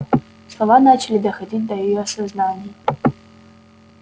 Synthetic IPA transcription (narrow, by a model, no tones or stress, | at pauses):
slˠɐvanat͡ɕɪlʲid̪ɐxɐdʲidʲd̪ɐjɐjɔɐsɐznanʲɪjɐ